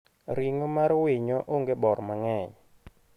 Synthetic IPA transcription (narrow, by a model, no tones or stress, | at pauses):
ɾiŋomaɾweɲɔʔoŋɡebɔɾmaŋɛɲ